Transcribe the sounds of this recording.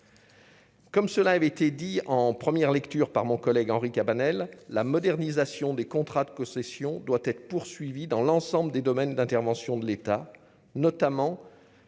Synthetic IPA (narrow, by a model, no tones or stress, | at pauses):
kɔmsəlaːvɛet̪ed̪iɑ̃pχəmjɛʁlɛkt̪yʁpaʁmɔ̃kɔlɛɡɑ̃ʁikabanɛlːamɔd̪ɛʁnizasjɔ̃d̪ekɔ̃t̪χad̪əkɔ̃sesjɔ̃d̪wat̪ɛt̪χə̥puʁsɥivid̪ɑ̃lɑ̃sɑ̃bld̪ed̪ɔmɛnd̪ɛ̃t̪ɛʁvɑ̃sjɔ̃d̪əlet̪a | nɔt̪amɑ̃